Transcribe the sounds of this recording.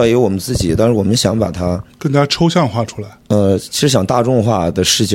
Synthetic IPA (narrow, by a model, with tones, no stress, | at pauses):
ke˧˥wɔ˨˩mə˦nt͡sɹ̩˥˩t͡ɕi˨˩t̪a˥˧nʂɻ̩˥˩wɔ˨˩mə˦nɕjɑ˧˥ŋpa̰˨˩t̪ʰa˥kə˥˩nt̪a˥˩ja˥ʈ͡ʂʰo˥ʊɕjɑ˥˧ŋxwa˥˩ʈ͡ʂʰu̥˥la˧˥ɪə˧t͡ɕʰi˧˥ʂɻ̩˧˥ɕjɑ˨˩ŋt̪a˥˧ʈ͡ʂʊ˥˧ŋxwa˥˩d̪ə˩ʂɻ̩˥˧t͡ɕ